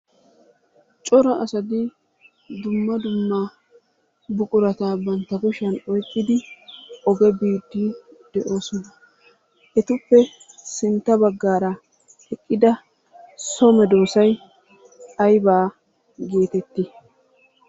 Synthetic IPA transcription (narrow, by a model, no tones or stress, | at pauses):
t͡ʃʼɔɾɐʔɐsɐd̪ɪ | d̪ʊmːɐd̪ʊmːa | bʊkʼʊɾɐt̪aːbɐnt̪ːɐɡʊʃɐnɔjkʼːɪd̪ɪɔɡɛbiːd̪ːid̪̥ɛʔoːsɔnɐ | ʔɛt̪ʊpːɛ | sɪnt̪ːɐbɐɡːaːɾɐ | hɛkʼːɪd̪ɐ | sɔmɛd̪o̞ːsɐj | ɐjbaː | ɡeːt̪ɛt̪ːi